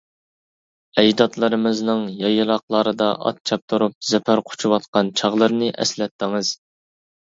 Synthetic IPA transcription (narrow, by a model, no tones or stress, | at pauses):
ɛjd̪ɑt̪lˠɨɾɨmɨznɨŋjɑjɨlˠɑqlˠɑɾɨd̪ɑʔɑ̰t̪̚t͡ʃʰɑp̚t̪ʰuɾup̚z̥ɛpʰæɾqʰʊ̥t͡ʃʰuwɑt̪̚qɑnt͡ʃʰɑʁlˠɨɾnɨʔɛ̰slɛt̪ːɪŋɨz̥